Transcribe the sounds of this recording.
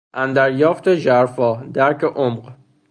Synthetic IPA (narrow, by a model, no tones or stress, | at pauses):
ʔænd̪æɾjɒːft̪ʰeʒæɾfɒːd̪æɾcʰeʔomɢ